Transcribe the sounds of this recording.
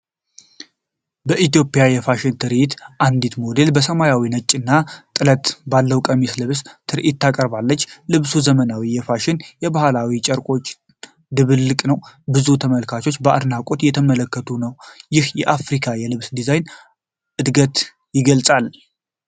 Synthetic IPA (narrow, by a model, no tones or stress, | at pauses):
bəʔit̪ijo̞pʼjajɛfaʃɪnt̪ʰɨɾʔit̪ʔand̪it̪mo̞d̪e̞lbəsəmajawinət͡ʃʼːɨnːat̪ʼɨlət̪balːəwkʼəmislɨβst̪ʰɨɾʔit̪ːʰakʼəɾbalːət͡ʃːlɨβsuzəmənawijɛfaʃɪnjɛbahalawit͡ʃʼəɾkʼo̞t͡ʃː | d̪ɨβɨlːɨkʼnəwbɨzut̪ʰəməlkʰat͡ʃʰo̞t͡ʃːbəʔa̰d̪nakʼot̪jɛt̪ʰəmələkːət̪ʰunəwjɪhjɛʔafɾikʰajɛlɨβsd̪izajn | ʔɨd̪ɡət̪ | jɪɡəlsʼal